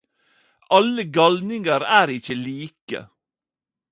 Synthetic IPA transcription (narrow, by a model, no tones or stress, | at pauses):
ʔɑləɡɑlnɪŋəɾæːɾɪçəliːkə̰